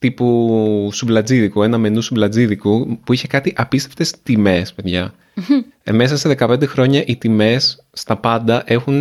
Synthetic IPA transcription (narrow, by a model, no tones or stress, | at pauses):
t̪ipusublɐd͡ziðikue̞nɐme̞nusublɐd͡ziðikupuiçe̞kɐt̪iʔɐpist̪eft̪e̞st̪ime̞spe̞ðʝɐ | me̞sɐseðe̞kɐpe̞nd̪e̞xɾo̞ɲɐʔit̪ime̞sː | t̪ɐpɐnd̪ɐʔe̞xun